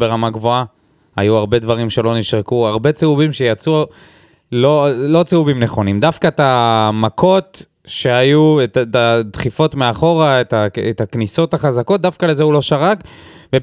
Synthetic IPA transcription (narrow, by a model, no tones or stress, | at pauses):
be̞ʁamaɡvo̞a | ajuaʁbe̞dvaʁimʃe̞lo̞niʃʁekuaʁbe̞t͡seuvimʃejat͡su | lo̞lo̞t͡seuvimne̞χo̞nimd̪afkat̪amako̞t | ʃe̞ajuetatad̪χifo̞t̪meaχo̞ʁaetaet̪akniso̞t̪aχazako̞t̪̚d̪afkalezeulo̞ʃaʁak | ve